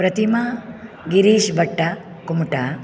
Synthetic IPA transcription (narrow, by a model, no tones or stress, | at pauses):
pɾɐt̪imɐ | ɡiɾiːʃbɐʈːɐ | kumʈa